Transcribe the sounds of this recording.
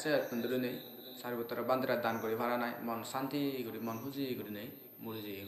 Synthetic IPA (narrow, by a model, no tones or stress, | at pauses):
sɛund̪uɾɯnej | saɾibɔt̪ːɔɾɔband̪iɾad̪ankɔɾibʱaɾanajmɔnsant̪iɡuɾimɔnɦuziɡuɾinej | muizi